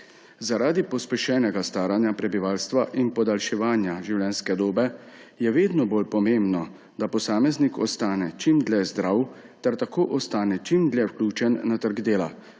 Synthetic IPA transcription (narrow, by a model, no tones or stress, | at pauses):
zaɾaːd̪ipɔspɛʃɛːnɛɡast̪aːɾanjapɾɛbiʋaːlst̪ʋaʔinpɔd̪alʃɛʋaːnjaʒiwlɛnskɛd̪oːbɛ | jɛʋeːd̪nɔboːlpɔmeːmbnɔ | d̪apɔsaːmɛznikɔst̪aːnɛt͡ʃimd̪lɛzd̪ɾaːw | t̪ɛɾt̪akoːʔɔst̪aːnɛt͡ʃimd̪lɛwklʲuːt͡ʃɛnːat̪əɾɡd̪eːla̰